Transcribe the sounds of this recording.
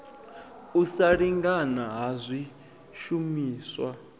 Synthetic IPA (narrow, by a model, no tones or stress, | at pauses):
usaɺiŋɡanaɦazʷi | ʃumiːswa